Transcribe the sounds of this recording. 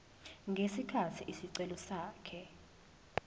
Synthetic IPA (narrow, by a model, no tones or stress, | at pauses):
ŋɡʱesikʰatʰiʔisiǀɛlɔsaːkʰɛ